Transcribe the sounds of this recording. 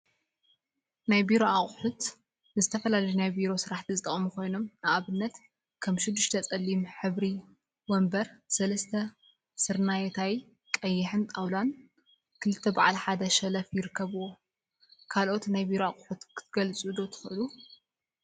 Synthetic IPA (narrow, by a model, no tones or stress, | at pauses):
najbiɾo̞aχʼħut̪ | ɨzɨt̪ʰɐfɐlalɐjunajbiɾo̞sɨɾaħt̪ʰizɨt̪ʼːɐ̰χʼmuko̞jno̞mnaʔaβɨnːɐt̪ | kʰɐmʃɪd̪ːɨʃt̪ʰɐt͡sʼɐlːimħɨβɾi | wɐmbɐɾsɐlɐst̪ʰɐ | sɨɾnajet̪ʰawi | kʼɐjːɪħɨnt̪ʼawlan | kʰɨlɨt̪ʰːɐbaʕalħad̪ɐʃɐlɐfjɪɾɨkʰːɐβuwo | kʰalʔo̞t̪najbiɾoaχʼħut̪kʰɨ̥t̪̚ʰɡɐlt͡sʼud̪o̞t̪ʰɨ̥xɨʔɨlu